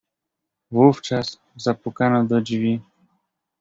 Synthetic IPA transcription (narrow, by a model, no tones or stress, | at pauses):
vuft͡ʂas | zapukanɔd̪ɔd͡ʑvʲi